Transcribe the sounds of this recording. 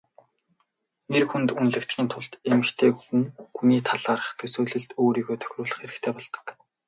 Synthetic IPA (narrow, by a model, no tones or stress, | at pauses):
nerxunt̪unɮɘ̆kt̪ɡʲiːnt̪ʰʊɮt̪emɘ̆xt̪ʰeːxuŋxuniːt̪ʰaɮaːɾə̆χt̪ʰɵsuːɮɘ̆ɮt̪oːɾiːɣoːt̪ʰœ̥xʲrʊːɮə̆χeɾɘ̆xt̪ʰeːpɔɮt̪ə̥̆k